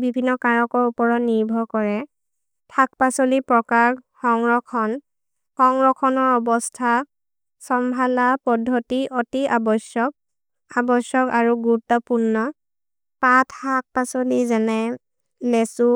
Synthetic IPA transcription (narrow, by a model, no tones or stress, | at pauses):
bibʱinːɔkaɹɔkɔɹupɔɹɔtniɹbʱɔkɔɹɛ | tʰak̚pasɔlipɹɔkaxɔŋɹɔkʰɔn | xɔŋɹɔkʰɔnɔɹɔbɔstʰa | sɔmbʱalapɔdʱːotiʔɔtiʔabɔsjɔk̚ | abɔsjɔkaɹuɡutɔpunːɔ | patʰak̚pasɔlizɛnɛ | lɛsu